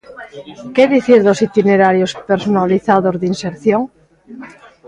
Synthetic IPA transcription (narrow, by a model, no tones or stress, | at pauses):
keðiθiɾðosit̪ineɾaɾjospeɾsonaliθaðozðinseɾθjoŋ